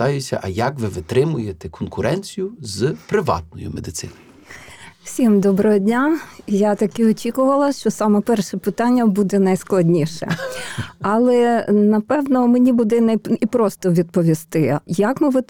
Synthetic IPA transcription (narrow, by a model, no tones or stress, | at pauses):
ɑjʊt͡sʲɐ̰ʔɐjakʋɪʋɪt̪ɾɪmʊjet̪ɛkɔnkʊɾʔɛnʲt͡sʲijʊzpɾɪʋɑ̰t̪nɔjʊ̰med̪ɪt̪sɪ̰nɔ | w̥sʲimd̪ɔbɾɔɦɔdʲnʲajat̪ɐkɪɔt͡ʃʲikʊʋɐlˠɐʃt͡ʃɔsɑmɛpɛrʃɛpɪt̪ɑnʲːɐbud̪ɛnɐjsklˠɐdʲnʲiʃɛ̰ | ɐlˠɛnɐpɛwnɔmenʲibud̪ɛnɐjipɾɔst̪ɔʋʲid̪̚pɔʋʲist̪ɪjɐkmɪʋɪ